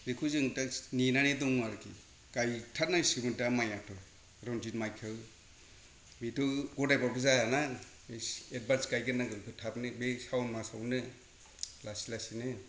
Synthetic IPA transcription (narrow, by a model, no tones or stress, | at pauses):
zekʰuzɯŋtaninanedɔŋaɾkʰi | kajtʰat̚nasimɯntamajatʰɯ | ɾɔnd͡ʒinmajkʰɯw | mitʰɯɡɔdajbabɯzajana | beed̚banskajɡɯnaɡɯnpʰɯtʰapnɯbesawnmasawnɯ | lasilasinɯ